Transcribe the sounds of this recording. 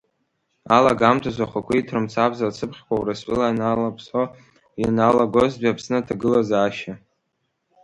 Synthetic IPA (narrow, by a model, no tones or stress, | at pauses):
alaɡamtʰazʷaχʷakʷʰaitʰrɨmt͡sʰabzalt͡sʰɨpʰχʲkʷʼawrasʷʼɪlanalapʰso | inalaɡʷozbiapʰsnɨtʰaɡɨlazaːʃa